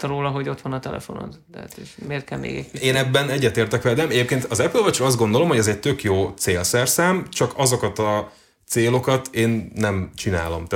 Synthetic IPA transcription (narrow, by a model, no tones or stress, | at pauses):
ɾoːlɒɦo̞ɟo̞t̪ʋɒnɒt̪ɛlɛ̰fo̞̰no̰nt̪ɛa̰t̪eʃmeːrt̪kɛlmḛːɡɛcːeːnɛbːɛnɛɟːɛt̪eːrt̪ɛkʋɛd̪ɛmɛɟeːp̚keːnt̪ɒzɛpylvɒt͡ʃrɒɒzd̪ɡo̞nd̪olo̞mho̞ɟɛzɛc̚t̪økjoːt̪seːlsɛrsaːmt͡ʃɒkɒzo̞kɒt̪ɒ | t̪seːlo̞kɒt̪ʰeːnːɛmt͡ʃina̰ːlo̞̰mt̪ː